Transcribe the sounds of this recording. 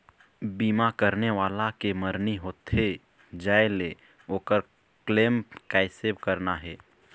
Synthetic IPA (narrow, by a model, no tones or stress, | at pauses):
biːmakəɾneʋaːlakeməɾniɦoːt̪ɦe | d͡ʒaːele | oːkəɾ | kleːmkaɪsebkəɾnaɦɛː